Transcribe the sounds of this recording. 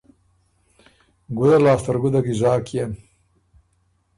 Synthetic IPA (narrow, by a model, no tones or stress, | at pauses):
ɡud̪ɐlɑːst̪ɐɾɡud̪ɐɡizɑːkʰjen